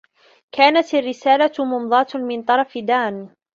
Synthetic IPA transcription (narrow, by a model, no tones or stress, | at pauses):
kʰaːnat̪arːɪsaːlamʊmðˤɑːt̪mɪnt̪ˤɑɾˤɑfɪd̪aːn